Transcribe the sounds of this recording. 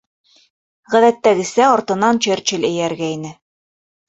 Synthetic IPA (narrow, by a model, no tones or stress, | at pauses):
ʁæðæt̪ːæɡɘ̆sæɒɾt̪ɤ̆nɑnt͡ɕɘɾt͡ɕɘlʲɘ̆jæɾɡæinɘ